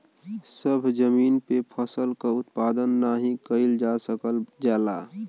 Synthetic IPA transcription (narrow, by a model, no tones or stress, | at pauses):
səbʱd͡ʒəmiːnpepʰəsəlkaʊt̪pad̪ənːaɦĩkəɪld͡ʒasəkəld͡ʒaːla